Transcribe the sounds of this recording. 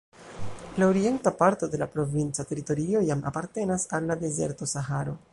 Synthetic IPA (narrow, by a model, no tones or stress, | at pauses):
laoɾie̞ntapaɾto̞de̞lapɾo̞vint͡sate̞ɾito̞ɾio̞jamʔa̰paɾte̞nasalːade̞ze̞̰ɾto̞saɦaɾo̞